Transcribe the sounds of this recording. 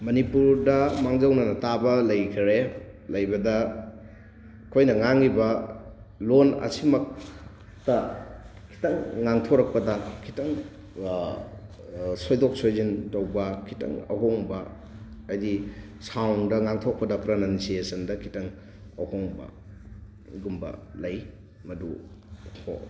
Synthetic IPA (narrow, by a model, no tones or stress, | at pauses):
mɐnipuɾdɐmaŋzɐwnɐnɐtabɐlɐjkʰɾe | lɐjbɐdɐ | kʰojnɐŋaŋibɐ | lonɐ̰simɐk̚ | tɐkʰi̥tɐŋːaŋtʰoɾɐk̚pɐdɐkʰi̥tɐŋ | sojdok̚sojzintɐwbɐkʰitɐ̰ŋɐ̰ɦoŋbɐ | ɐjdi | sawndɐŋaŋtʰok̚pɐdɐpɾɐnansiesɐndɐkʰi̥tɐŋ | ɐhoŋbɐ̰ | ɡumbɐ̰lɐj | mɐdutʰo̰